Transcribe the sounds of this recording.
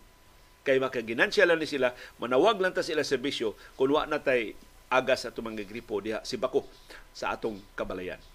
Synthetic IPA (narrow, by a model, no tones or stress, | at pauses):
kajmakaɡɪnansjalanisilamanawaɡlant̪asilasɛɾbisjokʊnwa̰ʔnat̪aj | ʔaːɡasat̪ʊmaŋɡaɡɾipod̪ɪhaʔsibako | saʔa̰ːt̪oŋkabalaja̰n